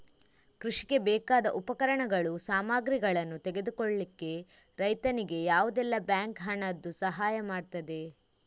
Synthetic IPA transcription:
kɾuʂi̥ɡe̞bɛːkaːd̪ɐʔupɐkɐɾɐɳɐɡɐɭusaːmaːɡɾiɡɐɭɐnːut̪ɛɡe̞d̪ukoɭlikːe̞ | ɾɐjt̪ɐniɡe̞jaːʋud̪ɛlːɐbjaːŋkɦɐɳɐd̪ːusɐɦaːjɐmaːɖt̪ɐd̪e̞

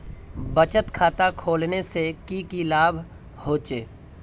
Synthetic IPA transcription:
bət͡ʃət̪kʰaːt̪akʰoːlnesekikilaːbʱ | hoːt͡ʃeː

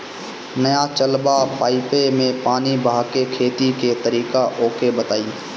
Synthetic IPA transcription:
nəjat͡ʃəlbapaːɪpemẽpaːnibʱaːkekʰeːt̪iket̪əɾiːkaʔoːkebət̪aːiː

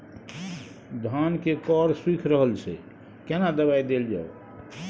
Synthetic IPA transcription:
d̪ʱankekɔɾswikʰɾəɦəlt͡ʃʰɛ | kenad̪əβaid̪eld͡ʒa̰o

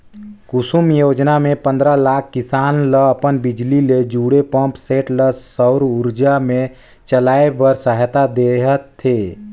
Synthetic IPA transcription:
kʊsumjoːd͡ʒnamẽpə̃nd̪ɾalaːkʰːɪsaːnləəpənbɪd͡ʒliled͡ʒuːɽepə̃mpseːʈləsəʊɾuɾd͡ʒamẽ | t͡ʃəlaːebəɾsəɦt̪ad̪eɦət̪ʰːeː

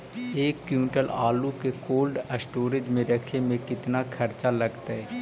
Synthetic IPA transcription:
eːkːjũːʈəlaːlũkekoːlɖəsʈoːɾɪd͡ʒmẽɾɐkʰemẽkɪt̪nakʰɐɾt͡ʃalɐɡt̪aɦɛː

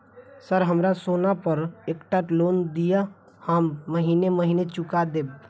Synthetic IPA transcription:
səɾɦəmɾasoːnapəɾeːkʈaʈloːnd̪ija | hamːəɦiːneməɦiːnet͡ʃʊkad̪eːb̚

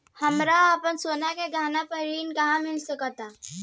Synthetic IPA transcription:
hɐmɾaapənsoːnakeɡʱaːnapəɾiːnkɐɦãmɪlsəkət̪aː

